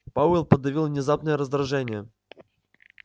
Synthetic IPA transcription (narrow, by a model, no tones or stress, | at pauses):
paʊɪlˠpəd̪ɐvʲilˠvnʲɪzapnəjəɾəzd̪ɾɐʐɛnʲɪjə